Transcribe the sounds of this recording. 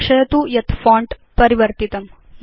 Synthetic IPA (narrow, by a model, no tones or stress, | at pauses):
ʂɐjɐt̪ujɐt̪faːɳʈ | pɐɾiʋɐɾt̪it̪ɐm